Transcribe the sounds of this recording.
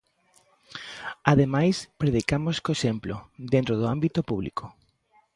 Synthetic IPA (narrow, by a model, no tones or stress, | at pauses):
aðemajspɾeðikamoskoesemplo̰d̪ẽnt̪ɾoð̞ʊambit̪opuβlḭkʰo